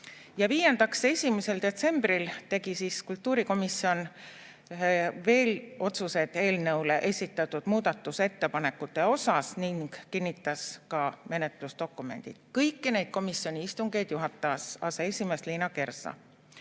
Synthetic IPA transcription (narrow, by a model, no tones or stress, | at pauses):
jɑviːje̞nd̪̥ɑkse̞sʲimese̞ld̪e̞t̪se̞mb̥rilt̪e̞ɡ̥isiːskult̪ːˑuːɾiko̞misːio̞n | ve̞ːlo̞t̪suse̞d̪̥e̞ːlnɤwleʔe̞sʲit̪ːˑɑt̪ːˑud̪̥muːd̪̥ɑt̪ːˑuse̞t̪ːe̞pɑne̞kːut̪ːˑe̞o̞sɑsniŋɡ̥kinːit̪ːˑɑskɑme̞ne̞t̪lusd̪o̞kːˑume̞̰nd̪̥ḭd̪̥̚kɤjkːine̞jd̪̚ko̞misjo̞nʲiist̪uŋɡ̥e̞jd̪̥juɦɑt̪ːˑɑɑsɑːseesʲimest̪liːnɑke̞rsɑ̰